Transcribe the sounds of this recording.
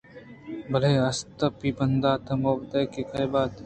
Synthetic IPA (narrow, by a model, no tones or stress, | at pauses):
bɐleɐst̪ɐpibɐnd̪aːt̪ʰɐmobd̪ɐkekɐjbaːt̪